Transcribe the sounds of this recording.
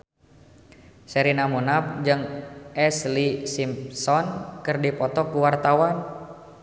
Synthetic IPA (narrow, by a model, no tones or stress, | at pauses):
sɛɾinamunap̚d͡ʒɨŋʔɛslisimpsɔnkɨrdipɔt̪ɔkuwart̪awan